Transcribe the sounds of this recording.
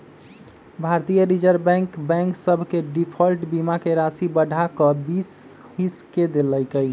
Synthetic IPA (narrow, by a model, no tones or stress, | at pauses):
bʱaɾt̪ijəɾid͡ʒəɾbɛ̃ŋkbɛ̃ŋksəbʱkeɖipʰəlʈbimakeɾasibəɖʱakəbis | hisked̪elːəjkəj